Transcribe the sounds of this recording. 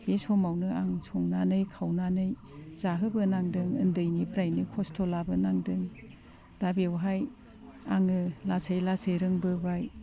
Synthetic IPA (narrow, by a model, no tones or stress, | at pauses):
besɔmawnɯaŋsʰɔŋnanɯjkʰawnanɯj | zaɦɯbɯnaŋdɯŋɯndɯjnipɾajnikʰɔstʰolabɯnaŋdɯŋ | d̥abewɦaj | aŋɯlasʰajlasejɾɯŋbɯbaj